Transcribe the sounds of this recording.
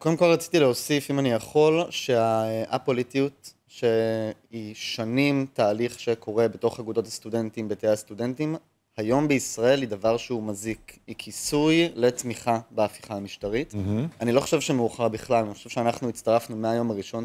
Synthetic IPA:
ko̞d̪emko̞lʁat͡si̥tileo̞sifimanijaχo̞lʃe̞aʔapolitiut | ʃeiʃanimtaːliχʃekʰo̞ʁe̞beto̞χaɡudo̞thast̪ude̞ntimbeteastudentim | hajo̞mbeisʁae̞lid̪avaʁʃeumazikikʰisujle̞tmiχabeafi̥χaamiʃtaʁitanilo̞χo̥ʃevʃemeuχaʁbiχlalaniχoʃevʃeanaχnuit͡st̪aʁafnumeajo̞maʁiʃo̞n

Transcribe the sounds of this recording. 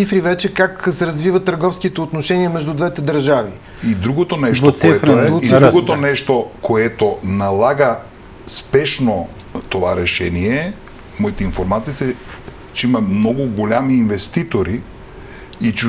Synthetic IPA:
ifɾivɛt͡ʃɛkaksɛɾɐzvivɐt̪ːəɾɡɔfskit̪ɛot̪noʃɛniɐmɛʒd̪ud̪vɛt̪ɛd̪əɾʒavi | id̪ɾuɡot̪onɛʃtvosiɛfɾuid̪uɡot̪onɛʃt̪okʰoɛt̪onalˠaɡɐ | spɛʃno | t̪ovaɾɛʃɛniɛ | mɔit̪ɛinfoɾmat̪siisɛ | t͡ʃɛimɐmnɔɡuɡolʲamiːnvɛst̪it̪oɾi | it͡ʃ

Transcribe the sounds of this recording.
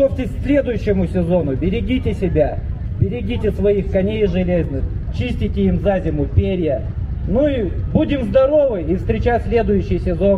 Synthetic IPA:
ofʲtʲɪsʲsʲlʲe̞d̪ʊjʉɕːɪmʊsʲɪzo̞nʊbʲɪɾʲɪɡʲitʲɪsʲɪbʲa | bʲɪɾʲɪɡʲitʲɪsvɐixkɐnʲejʐɨlʲeznɨxt͡ɕisʲtʲɪtʲɪimzazʲɪmʊpʲeɾʲjə | nuibudʲɪmzd̪ɐɾo̞vɨjifst̪ɾʲɪt͡ɕasʲlʲe̞d̪ʊjʉɕːɪjsʲɪzo̞n

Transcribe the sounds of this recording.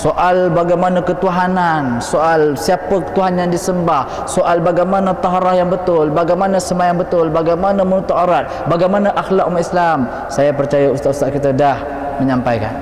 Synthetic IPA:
soʔalbaɡajmanakət̪uɦanansoʔalsiapət̪uɦanjaŋdisəmbah | soʔalbaɡajmanat̪ɑɦaɾahjaŋbət̪ʊlbaɡajmanasəmajaŋbət̪ʊlbaɡajmanamənut̪aʔaɾat̪̚baɡajmanaʔaxlak̚umaislam | sajapərt͡ʃajaust̪aʔust̪akit̪adah | məɲampajka̰n

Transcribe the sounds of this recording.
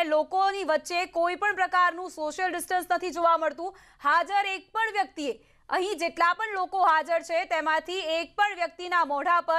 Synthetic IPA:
lokoniʋətːʃekoipəɳpɾəkaɾnũsoʃjəlɖɪsʈənsnət̪ʰid͡ʒoʋaməɭt̪ũ | had͡ʒəɾek̚pəɳʋjək̚t̪ie | əɦĩd͡ʒeʈlapəɳlokoɦad͡ʒəɾt͡ʃʰet̪emãt̪ʰiek̚pəɳʋjək̚t̪inamɔɽ̤apə

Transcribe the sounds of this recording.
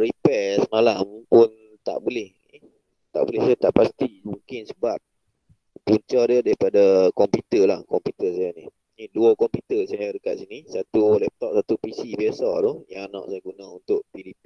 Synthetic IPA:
ripɛsəmalampʊn | t̪a̰ʔbulɛh | i | t̪a̰ʔbolɪhtut̪aʔpast̪imuŋkɪnsəbap̚ | puɲt͡ʃadiədaɾipadakɔmput̪əlahkɔmput̪əsajani | niduəkɔmput̪əsajadəka̰t̪̚sinisat̪ulɛp̚t̪ɔp̚sat̪upisibiasat̪ojaŋana̰ʔsajaɡunaunt̪ʊʔpilipi

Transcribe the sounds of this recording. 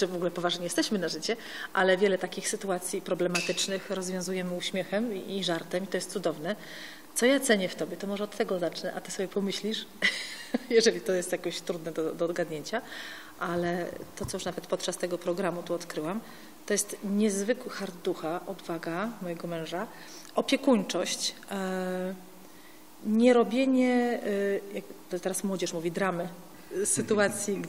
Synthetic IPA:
t͡ʂɨvɔɡulɛpɔvaʐɲɛjɛst̪ɛɕmɘnaʐɘt͡ɕɛ | ʔalɛvʲjɛlɛt̪akʲixsɘt̪uat̪sʲjipɾɔblɛmat̪ɘt͡ʂnɘxɾɔzvʲjɔ̃w̃zujɛmɘuɕmʲjɛxɛmiːʐaɾt̪ɛmit̪ɔjɛst̪sud̪ɔvnɛ | t̪sɔjat̪sɛɲɛft̪ɔbʲjɛt̪ɔmɔʐɛɔt̪ːɛɡɔzat͡ʂnɛʔat̪ɘsɔbʲɛpɔmɘɕlʲiʂ | jɛʐɛlʲit̪ɔjɛst̪jakɔɕt̪ɾud̪nɛd̪ɔd̪ɔːd̪ɡad̪ɲeɲt͡ɕa | ʔalɛt̪ɔt̪sɔjuʂnavɛt̪pɔt̪t͡ʂast̪ɛɡɔpɾɔɡɾamut̪uɔt̪kɾɘwam | t̪ɔjɛst̪ɲɛzvɘkwɘxaɾd̪d̪uxaʔɔd̪vaɡamɔjɛɡɔmɛ̃w̃ʐa | ɔpʲjɛkuɲt͡ʂɔɕt͡ɕ | ɲɛɾɔbʲjeɲɛ | jakt̪ɔt̪ɛɾasmwɔd͡ʑɛʂmuvʲid̪ɾamɘ | sɘt̪uat̪sʲjiɡ

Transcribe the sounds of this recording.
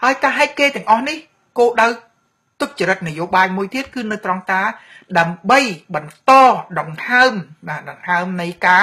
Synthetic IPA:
haəjkaːɦaɛt̪̚keːt̪ɛ̆əŋʔɑhnih | koːɗaw | t̪ʊk̚t͡ɕəɾɨt̪̚nɨjoːɓaːjmuəjt̪iət̪̚kɨːnɨwt̪rɑŋt̪aːɗaəmɓəjɓɑnt̪ɑːɗɑŋhaəmɓaːɗɑŋhaəmnɨjkaː

